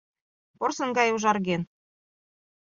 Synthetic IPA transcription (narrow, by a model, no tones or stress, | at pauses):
porsɤ̆nɡɑjuʒɑrɣen